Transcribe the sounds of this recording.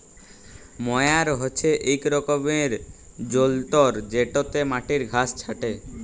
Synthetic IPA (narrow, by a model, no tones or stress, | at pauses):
mɔeaɾɦot͡ɕʰeʔejkɾɔkomeɾ | d͡ʑolt̪oɾd͡ʑeʈot̪emaʈiɾɡʱast͡ɕʰaʈe